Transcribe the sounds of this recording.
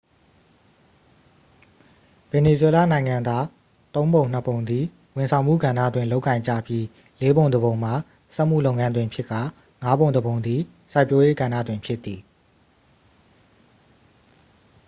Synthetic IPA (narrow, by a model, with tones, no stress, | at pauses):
v̥ɛ˨ne˨zwɛ˦la̰˦˨nã˨ɪ̃ŋã˨nd̪a˦ | t̪õ˦ʊ̃mbõ˨ʊ̃n̥ə˦põ˨ʊ̃nd̪ði˨ | wɪ̃˨nsʰã˨ʊ̃m̥ṵ˦˨ɡã˨ndä̰˦˨dwɪ̃˨lo˦ʊkːã˨ɪ̃ɲd͡ʑä̰˦˨pji˦ | le˦bõ˨ʊ̃ndəbõ˨ʊ̃m̥a˨ | sɛ˦ʔm̥ṵ˦˨lo˦ʊŋã˦ndwɪ̃˨mpʰjɪ˦kːa˨ | ŋa˦bõ˨ʊ̃ndəbõ˨ʊ̃nd̪ði˨ | sa˦ɪpjo˦je˦ɡã˨nä̰˦˨dwɪ̃˨mpʰjɪ˦t̪ːi˨